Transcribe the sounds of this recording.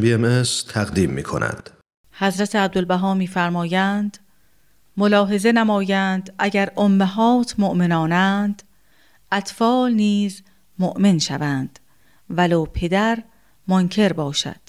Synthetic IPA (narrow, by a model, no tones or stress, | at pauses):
biemest̪ʰæɣd̪iːmːḭːkʰo̰næ̰nd̪̥ | hæzɾæt̪ʰeæb̚d̪olbæɦɒːmiːfæɾmɒːjænd̪̥ | molɒːɦe̞ze̞næmɒːjænd̪ʔæɟæɾʔomːeɦɒːt̪ʰmoʔmenɒːnænd̪̥ | ʔæt̪fɒːlniːz | moʔmenʃævænd̪̥ | vælɒːpʰe̞d̪æɾ | moncʰe̞ɾbɒːʃæ̰d̪̥